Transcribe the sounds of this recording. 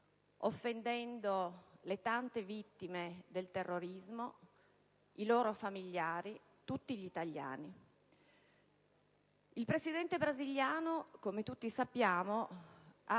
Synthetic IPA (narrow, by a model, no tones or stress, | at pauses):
ofːend̪ɛnd̪olet̪ant̪evit̪ːimed̪elt̪erːoɾizmo | iloːɾofamiʎːaːɾi | t̪ut̪ːiʎit̪aʎːa̰ːni | ilpɾesid̪ɛnt̪ebɾaziʎːaːnokomet̪ut̪ːisapːjaːmo | a